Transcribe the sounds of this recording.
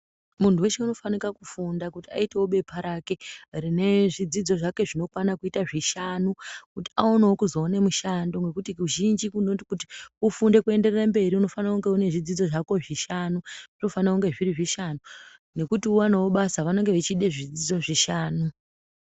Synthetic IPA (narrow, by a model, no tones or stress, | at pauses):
muntuwe̞ʃeuno̞fanikakufundakutia̰itewoɓe̞pʰaɾake̞rine̞ʐid͡zid͡zo̞ʐake̞ʐino̞kwanakuitaʐiʃanukuti̥aonaokuzo̞ːne̞muʃando̞ŋɡe̞kutikuʒind͡ʒikunotikuti̥ufunde̞kue̞nde̞rerambe̞ɾiuno̞fanakuŋɡe̞une̞ʐid͡zid͡zo̞ʐako̞ʐiʃanuʐ̥ino̞fanauŋɡe̞ʐiriʐiʃanu | ne̞kutiuwanawo̞ɓasaʋanoŋɡe̞ʋet͡ʃiɗeʐid͡zid͡zo̞ʐiʃaːnu